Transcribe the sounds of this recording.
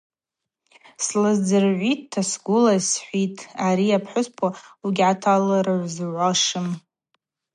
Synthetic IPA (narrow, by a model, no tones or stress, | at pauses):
slɨzd͡zɨrʕʷitʰːasɡʷʊlasħʷitʼʰaɾiapʰħʷʊspʰwauɡʲʕatʰalaɾɨʕʷzʕʷaʂɨm